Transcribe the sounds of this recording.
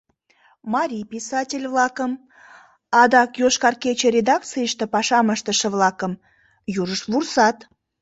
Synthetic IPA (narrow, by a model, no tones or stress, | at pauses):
mɑɾʲijpʲisɑtʲelʲvlˠɑkəm | ɑd̪ɑkjoʃkɑrkʲet͡ɕeɾʲed̪ɑk̚t̪t͡sɨjəʃt̪əpɑʃɑməʃt̪əʃəvlˠɑkəm | juɾəʃvursɑt̪